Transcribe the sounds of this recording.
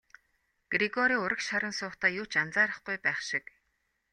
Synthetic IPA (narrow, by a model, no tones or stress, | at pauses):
ɡ̥riɡɔɾiːʊɾə̆kʃaɾə̆nsʊːχt̪aːjʊːt͡ɕant͡saːɾə̆χɡujpæːχʃɪk